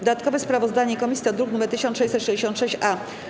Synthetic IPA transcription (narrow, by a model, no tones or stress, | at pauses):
d̪d̪at̪̚kɔvɛspɾavɔzd̪aɲɛikɔmʲisʲjiɔd̪ɾuknumɛɾt̪ɘɕɔnʂɛjt͡ɕsɛt̪ʂɛd͡ʑeɕɔ̃nt̪ʂɛɕt͡ɕʔa